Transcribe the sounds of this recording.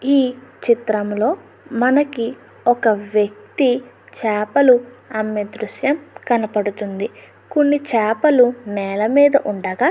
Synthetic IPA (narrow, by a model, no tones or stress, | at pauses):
iːt͡ʃit̪ɾɐmlo̞ː | mɐnɐki | ɔkɐʋjɐk̚t̪i | t͡ʃɛːpɐluɐmːed̪ɾuʃjɐmkɐnɐpɐɽut̪und̪i | konːit͡ʃɛːpɐlunɛːlɐmiːd̪ɐʔuɳɖɐɡa